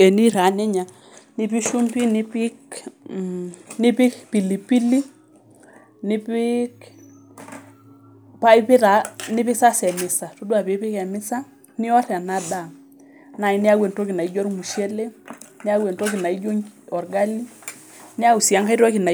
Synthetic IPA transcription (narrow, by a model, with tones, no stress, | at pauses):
ɛ˨ni˦ɾa˨˦nɛ˦ɲa˨ | nɪ˦pi˦ʃu˦mpi˦nɪ˦pɪ˦k | nɪ˦pɪ˦kpi˨li˨pi˦li˦ | nɪ˦pɪ˦k | pa˦i˦pɪ˦ta˨nɪ˦pɪ˦sa˦sɛ˨mɪ˨sa˨to˦dwa˨pɪ˨˦pɪ˦kɛ˨mɪ˦sa˦ | nɪ˦ɔ˦ɾɛ˨a˨na˦da˨ | na˨i˨˦nɪ˦a˦ɡwe˨nto˦ki˨na˨i˦d͡ʒɔ˦ɾmu˨ʃe˦le˦nɪ˦a˦wɛ˨ntɔ˦ki˨na˨i˦d͡ʒo˦ŋɔ˨ɾɡa˦li˦ | nɪ˦a˦u˨si˨a˦ŋka˦i˦ɾɔ˦ki˨na˨